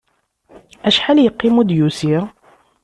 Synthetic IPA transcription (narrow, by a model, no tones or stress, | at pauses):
æʃħaljəqːimud̪jusiɾ